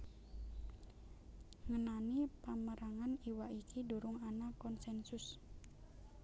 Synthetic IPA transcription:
ŋənanipaməɾaŋaniwaʔikiduɾʊŋanakɔnsɛnsʊs

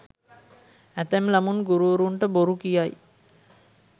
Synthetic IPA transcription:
æt̪æmlamunɡuɾuɾuɳʈəboɾukijaj

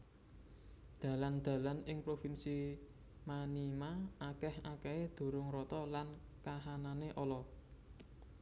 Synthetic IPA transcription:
d̪̥ä̤land̪̥a̤lanɪŋpɾofinsi | manimaʔakɛhakeed̪̥o̤ɾʊŋɾɔt̪ɔlankaɦananeʔɔlɔ

